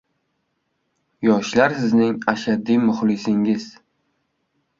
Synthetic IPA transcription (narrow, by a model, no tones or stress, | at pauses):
jɒʃlaɾsɪznɪŋaʃad̪ːimʊχlɪsɪŋɪz